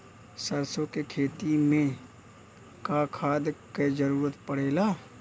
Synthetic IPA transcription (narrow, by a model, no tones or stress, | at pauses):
sɐɾsõkekʰeːt̪imẽ | kakʰaːd̪ked͡ʒəɾuːɾət̪pəɽ̤eːlaː